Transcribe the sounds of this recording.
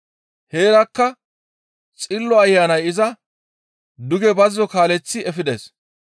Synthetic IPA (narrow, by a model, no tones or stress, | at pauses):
heːɾɐkːɐ | t͡sʼɪlːɔɐjːaːnɐjɪzɐ | d̪ʊɡɛbɐzɪzɔkaːlɛt͡sːɪɛfɪd̪ḛːs